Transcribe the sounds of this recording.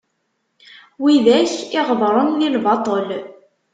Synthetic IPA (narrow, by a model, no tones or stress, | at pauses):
wiðæçɪʁəðˤɾˤənːilvɑt̪ˤəl